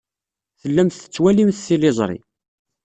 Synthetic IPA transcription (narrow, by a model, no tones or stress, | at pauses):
θəlːæmθət͡sːwælimθθilɪzˤɾˤḭ